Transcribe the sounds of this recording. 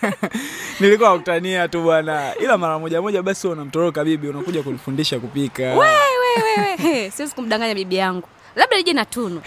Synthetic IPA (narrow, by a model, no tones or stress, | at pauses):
nilikuwakutaniatuɓwanailamaɾamɔʄamɔʄaɓasiɔnam̩tɔɾɔkaɓiɓiunakuʄakunifundiʃakupikawɛwɛwɛwɛsiwɛzi̥kum̩ɗaŋɡaɲaɓiɓijaŋɡu | laɓɗaliʄɛnatunu